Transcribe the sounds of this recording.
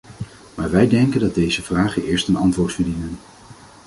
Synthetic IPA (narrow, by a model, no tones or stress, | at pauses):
maːɹʋɛjdɛŋkəndɑd̚dejzəv̥raːχənʔɪːɹstənɑntʋʊːɹtfəɹdinən